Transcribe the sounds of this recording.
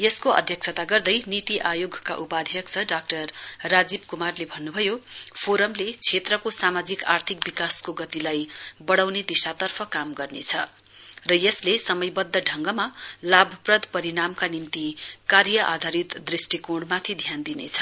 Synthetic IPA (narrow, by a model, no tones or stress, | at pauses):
jʌskoʌ̰d̪ʱjʌk̚t͡sʰʌt̪aɡʌrd̪ʌjnit̪iʔajoɡʱkaʔupad̪ʱjʌk̚t͡sʰʌɖak̚ʈʌrːad͡zib̚kumarlebʱʌnːubʱʌjopʰoɾʌmlet͡sʰet̪rʌkosamad͡zikart̪ʰikbikaskoɡʌt̪ilajbʌɽawned̪isat̪ʌrpʰʌkamɡʌrnḛt͡sʰʌ | rʌjʌslesʌmʌjbʌd̪ːʌɖʱʌŋɡʌmalabʱʌprʌd̪ʱpʌɾiɽamkanint̪ikaɾjʌʔa̰d̪ʱaɾit̪d̪risʈikoɽmat̪ʰid̪ʱjand̪inḛt͡sʰʌ̥